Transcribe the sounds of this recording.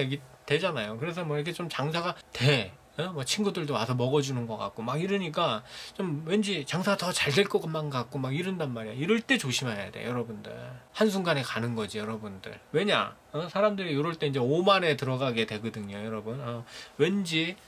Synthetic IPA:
eɡitwe̞d͡ʑanajokɯɾe̞s̬ʰʌmwʌiɾʌkʰe̞t͡ɕomt͡ɕaŋsʰaɡate | emʌt͡ɕʰinɡudɯɭdowasʰʌmʌɡʌd͡ʑunɯnɡʌk͈a̰k̚k͈omaɡiɾɯɲik͈at͡ɕomwe̞nd͡ʑit͡ɕaŋsʰaɡatʌt͡ɕaɭdwe̞ɭk͈ʌɡɯmːankak̚k͈omaɡiɾɯndanmaɾijoiɾɯɭt͈e̞t͡ɕoɕʰimaɦeja̰dḛjʌɾʌbundɯ̰ɭhans̬ʰuŋɡane̞kanɯnɡʌd͡ʑijʌɾʌbundɯ̰ɭwe̞ɲa̰ | ʌsʰaɾamdɯɾijoɾʌɭt͈eind͡ʑe̞omane̞tɯɾʌɡaɡetwe̞ɡɯdɯŋɲojʌɾʌbunʌwe̞nd͡ʑi

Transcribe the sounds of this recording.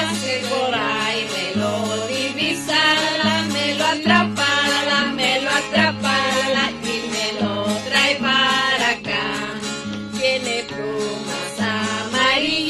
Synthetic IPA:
koɾajmeloðiβisalameloat̪ɾapaðameloat̪ɾapalaimelot̪ɾajpaɾaka | kenepumasamai

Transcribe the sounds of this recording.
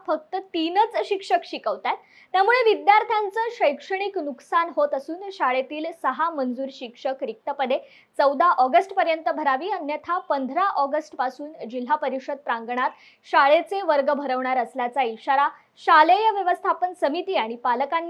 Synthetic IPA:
fək̚t̪ət̪inət͡sɕikʂəkɕikəʋt̪at̪ː | jamuɭeʋid̪jaɾt̪ʰjant͡səːɕəjkʂəɽ̃iknuksanɦot̪əsuːnɕaɭet̪iːlsəɦamənd͡zuːɾɕikʂəkɾik̚t̪əpəd̪e | t͡səwd̪aʔɔɡəsʈpəɾjənt̪əbʱəɾaʋiːənjət̪ʰapənd̪ʱɾaʔɔɡəsʈpasuːnd͡ʑil̤ːapəɾiɕəd̪̚pɾaŋɡɳat̪ | ɕaɭet͡seʋəɾɡəbʱəɾəʋɳaɾəsljat͡saiɕaɾa | ɕalejəʋjəʋəst̪ʰapənsəmit̪iːaɽ̃ipaləkanː

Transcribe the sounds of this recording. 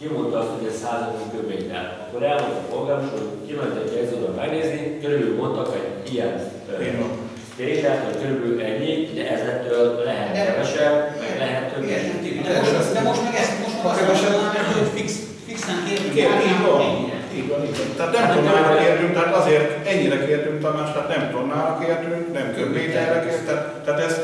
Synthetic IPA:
kimo̞nt̪ɒɒst̪ho̞ɟɛcsaːzɒd̪okøveːjt̪ɛ̰lɒkːoɾɛlmot̪ɒpolɡaːnoʃookilonɛt̪ɛɟɛɡzoːb̪ɒmmɛɡneːznikøɾybylvolt̪ɒkɛɟ | ijɛn | t̪eːɲt̪ɛt̪hɒɟɡøɾøbylʔɛɲːiuɟɛ̰ʔɛzɛt̪ːøːllɛɦɛt̪ːɛɛʃɛbmɛɡlɛɦɛt̪ːøɛʃɛnt̪id̪ɛod̪ɛmoʃt̪mɛɡɛst̪moʃt̪mkɛpɛʃɛaɛofiks | fiksaŋkeːrt̪yŋːiːɟʋɔniɛ̰niːɟʋɒniːɟʋɔnt̪aːt̪nɛmt̪onːaːlɒkeːrt̪yŋk̚t̪ɛɦaːt̪ɒzeːrt̪ɛɲːiɾɛkeːrt̪yŋkt̪ɒmaːʃt̪aːt̪nɛmt̪onːaːlɒkeːrt̪yŋknɛmt̪øbeːd̪aːɾɛkeːrt̪t̪ːat̪t̪ːaat̪ɛz

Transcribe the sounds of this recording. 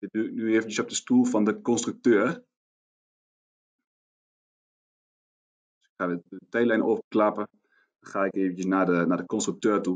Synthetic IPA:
dɪynyeːvənjəsɔp̚dəstulˠfɔndəkɔnstryk̚tøːər | dsɪ̥kxaːdəətɛjlɛjnoːvəklapə | d̥ɔnxaːɪkeːvən̩jəsnadənadəkɔnstryk̚tøːrtu

